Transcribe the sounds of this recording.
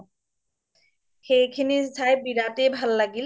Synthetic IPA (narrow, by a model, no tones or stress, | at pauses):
xejkʰinizajbiɾatebʱalːaɡil